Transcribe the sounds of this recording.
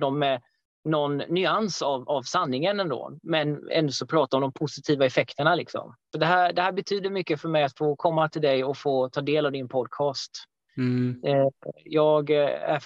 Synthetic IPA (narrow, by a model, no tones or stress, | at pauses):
d̪ɔmːɛ | nɔnːʏansavavsanːɪŋənɛnd̪o̰ːmɛnɛ̰nd̪sɔpʰɾɑːt̪aɔmd̪ɔmpʰʊsɪt̪ʰiːvaɛfɛkt̪əɳalɪksɔ̰msɔd̪ɛɦæːɖ̪ɛhæːɾbɛt̪ʰyːd̪əɾmʏkːəfœɾmɛjat̪foːkʰɔmːat̪ʰɪld̪ɛjɔfoːt̪ʰɑːd̪eːlavd̪ɪnpʰɔd̪̚kʰɑːst̪ | jɑːɡæ̰